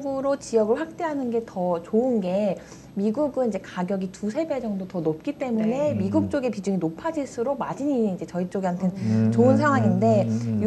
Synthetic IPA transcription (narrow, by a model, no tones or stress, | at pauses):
ɡuɾot͡ɕijʌɡɯɭɸwak̚t͈e̞ɦanɯnɡe̞tʰʌt͡ɕoɯnɡe̞ | miɡuɡɯnid͡ʑekaɡjʌɡitʰusʰe̞bed͡ʑʌŋdotʌnop̚k͈it͈e̞mune̞miɡuk̚t͡ɕ͈oɡe̞pid͡ʑuɲinopʰad͡ʑiɭsʰɯɾomad͡ʑiɲiid͡ʑe̞t͡ɕʌit͡ɕ͈oɡiɦantʰent͡ɕoɯnsʰaŋwaŋinde̞j